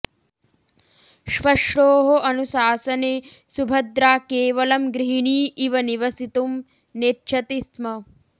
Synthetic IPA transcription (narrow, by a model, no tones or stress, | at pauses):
ʃʋɐʂʈoːɦoʔɐnusaːsɐneː | subʱɐd̪ɾaːkeːʋɐlɐmɡɾiɦiɳiːʔiʋɐniʋɐsit̪um | neʃʰɐt̪ismɐ